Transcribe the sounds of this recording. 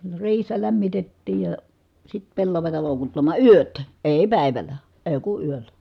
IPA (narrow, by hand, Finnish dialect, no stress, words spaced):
ne riːhesːæ læmːitetːiːj jɑ sit pelːɑʋɑtɑ loˑukutːɑmɑˑ yøt eˑi̯ pæˑi̯ʋælˑæ eˑi̯ ku yølːæ